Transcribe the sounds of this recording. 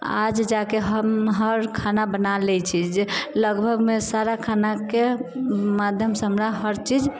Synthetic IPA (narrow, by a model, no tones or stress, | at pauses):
a̰d͡ʒd͡ʒakeɦəmɦəɾkʰanabənalɛt͡ʃʰid͡ʒeləɡbʱəɡmesaɾakʰanakemad̪ʱjəmsəɦəmɾaɦəɾt͡ʃid͡ʒ